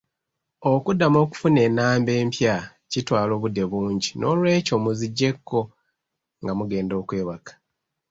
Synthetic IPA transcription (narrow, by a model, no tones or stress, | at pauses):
o̞kudːamo̞ːku̥fune̞ːnːaːmbe̞ːmpja | citwaːlo̞ːβudːe̞βuːɲɟino̞ːlwe̞ːco̞muziɟːe̞kʰːo̞ | ŋɡamuɡe̞ːndo̞ːkwe̞ːβakḁ